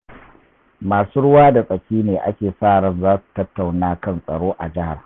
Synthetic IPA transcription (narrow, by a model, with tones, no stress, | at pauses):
maː˨suː˦ɽʊ˦waː˦da˨sʼɐ˨kʲiː˦neː˨ʔa̰˦kʲeː˨saː˦˨ɽɐ˨nzaː˦su̥˨tɐ˦tːa˨wnaː˦kɐ˦nsʼɐ̰˨ɽoː˦ʔa˨d͡ʒɪ˦ha̰˨r